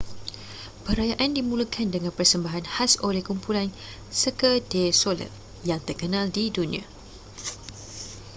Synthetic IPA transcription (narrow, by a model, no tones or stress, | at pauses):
pəɾajaʔandimũlukʰandəŋãnpərsəmbaɦanhasolehkumpulan | səkədesolə̰k̚ | jaŋt̪ərkənãldidunḭ̃a̰